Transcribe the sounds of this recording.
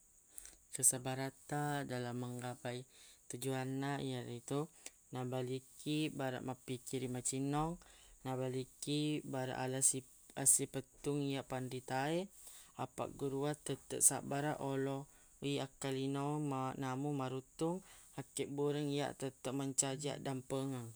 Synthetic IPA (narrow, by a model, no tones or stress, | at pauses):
kəsabaɾat̪adalamːəŋɡapajt̪ud͡ʒuanaʔijaɾit̪u | nabalikʰibaɾa̰ʔmapikiɾimat͡ʃinɔŋnabalikibaɾa̰ʔalasi | asipət̪uŋijaʔpandit̪aeapa̰ʔɡuɾuat̪ət̪ə̰ʔsa̰ʔbaɾaʔolɔ | iakalinɔmanamumaɾut̪uŋhakəʔbuɾəŋija̰ʔt̪ət̪əʔ̚məɲt͡ʃad͡ʒa̰ʔdampəŋəŋ